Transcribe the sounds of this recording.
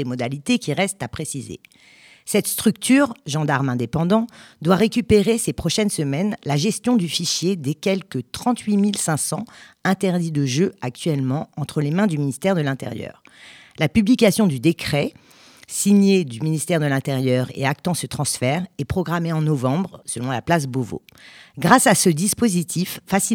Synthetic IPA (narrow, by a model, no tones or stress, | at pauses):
emɔd̪alit̪ekʲiʁɛst̪apχesizḛ | sɛt̪st̪χyk̚t̪ʰyːʁʒɑ̃d̪aʁmɛ̃d̪epɑ̃d̪ɑ̃d̪waʁekʲypeʁesepχɔʃɛnsəmɛnlaʒɛst̪jɔ̃d̪yfiʃjed̪ekʲɛlkət̪χɑ̃t̪ʰɥimilsɛ̃sɑ̃ɛ̃t̪ɛʁd̪id̪əʒøak̚t̪ɥɛlmɑ̃ɑ̃t̪χəlemɛ̃d̪yminist̪ɛʁd̪əlɛ̃t̪ḛʁjœ̰ʁ | lapyblikasjɔ̃d̪yd̪ekχɛ | siɲed̪yminist̪ɛʁd̪əlɛ̃t̪eʁjœʁḛak̚t̪ɑ̃sət̪χɑ̃sfɛʁɛpχɔɡʁameɑ̃nɔvɑ̃bʁsəlɔ̃la̰plas̬bovo̰ɡʁasasəd̪ispozit̪ʰifːasi